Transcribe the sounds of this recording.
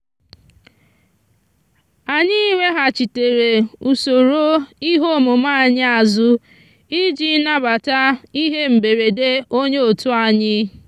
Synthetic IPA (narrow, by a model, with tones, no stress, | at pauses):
a˨ɲɪ˦wʷe˦ɦa˨t͡ʃi˨te˨ɾe˨u˨so˨ɾo˦i˦ɦo˦mʊ˨ma˦˨ɲɪ˦a˨zʊ˦ | i˦d͡ʒi˦na˦ba˨ta˦i˦ɦe˦m̩˨be˨ɾe˨de˦o˦ɲe˦o˨tʊ˦a˨ɲɪ˦